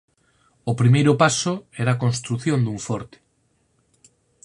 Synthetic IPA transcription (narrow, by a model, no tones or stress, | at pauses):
ʊpɾimejɾʊpasʊɛɾaːkonst̪ɾuθjõnd̪uɱfɔɾt̪ɪ̥